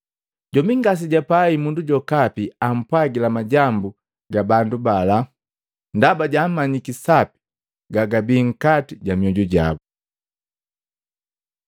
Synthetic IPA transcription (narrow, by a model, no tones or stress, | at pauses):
ɟ̥ɔmiŋɡas̬iɟapaimunduɟɔkapiam̩pwaɡilamaɟambu | ɡabandubala | ndabaɟam̩mːaɲikisapi̥ | ɡaɡabiːŋ̩katiɟamiɔɟɔɟa̰bu